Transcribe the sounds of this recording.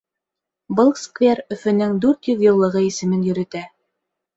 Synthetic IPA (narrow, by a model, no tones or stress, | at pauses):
bɤlˠskvʲerɵ̆fɵ̆nɘŋd̪ʉɾt̪jɵðjɤ̆lˠːɤ̆ʁɤisɘ̆mɘnjɵ̆ɾɵ̆t̪æ